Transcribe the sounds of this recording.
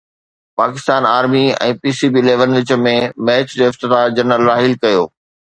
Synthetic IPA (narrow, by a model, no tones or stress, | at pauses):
paːkɪst̪aːnaːɾmiɛ̰̃ːpiːsibiːleːʋənʋɪt͡ɕə̆mẽmɛːt͡ɕd͡ʑoːɪft̪ɪt̪ad͡ʑɐnəlːaːɦɪlkɐjo̰ː